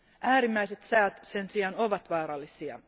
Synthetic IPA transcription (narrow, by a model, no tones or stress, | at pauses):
ʔæːɾimːæise̞t̪sæøt̪se̞nsiɑno̞ʋɑt̪ʋɑːɾɑlːisiɑ̰